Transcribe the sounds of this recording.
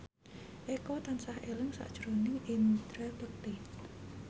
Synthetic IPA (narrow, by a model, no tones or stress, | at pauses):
ʔekɔt̪ansahʔelɪŋsa̰ʔd̥ʒ̥ɾonɪŋint̪ɾab̥ək̚t̪i